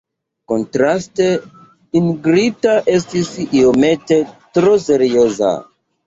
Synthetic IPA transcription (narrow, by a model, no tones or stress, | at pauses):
ko̞ntɾaste | inɡɾitaʔe̞stisio̞me̞te̞tɾo̞se̞ɾio̞za̰